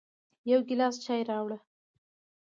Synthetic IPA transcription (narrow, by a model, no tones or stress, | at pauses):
jawɡɪlɑst͡ʃɑjɾɑwɽə